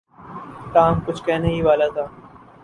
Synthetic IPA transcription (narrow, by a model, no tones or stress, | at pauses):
kaːmkʊt͡ʃʰkɛɦneɦiʋaːlat̪ʰaː